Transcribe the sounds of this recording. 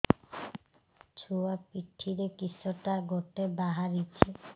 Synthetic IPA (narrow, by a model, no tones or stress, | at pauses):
t͡ɕʰuapiʈʰːiɾekisoʈaɡoʈebaɦaɾit͡ɕʰe